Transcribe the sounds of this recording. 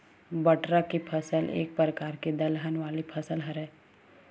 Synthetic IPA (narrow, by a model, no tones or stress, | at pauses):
bɐʈɾakipʰɐsəlʔḛːk̚pɾəkaːɾked̪ɐlɦənʋaːlipʰɐsəlɦɐɾɛ̃ː